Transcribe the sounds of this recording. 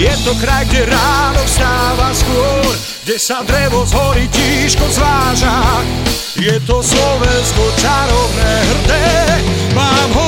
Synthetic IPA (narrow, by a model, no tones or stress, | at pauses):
jɛt̪ɔkɾajɡɟɛɾaːnɔfst̪aːvaskʊɔɾ | ɡɟɛsad̪ɾɛvɔzɦɔɾicciʃkɔzʋaːʒa | jɛt̪ɔslɔvɛnskɔt͡ʃaɾɔvnɛːɦr̩d̪ɛ | maːmɦɔ